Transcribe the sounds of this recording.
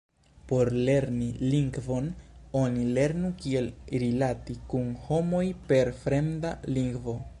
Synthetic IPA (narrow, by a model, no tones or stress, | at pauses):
po̞ɾle̞ɾniliŋɡvo̞no̞nile̞ɾnukie̞lɾilatikunho̞mo̞jpe̞ɾfɾe̞mdaliŋɡvo̞